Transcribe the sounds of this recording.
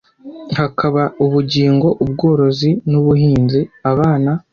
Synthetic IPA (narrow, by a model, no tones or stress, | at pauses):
hakaβauβuɟiːŋɡo̞ʔubɡo̞ːɾo̞zinuβuɦiːnziaβaːna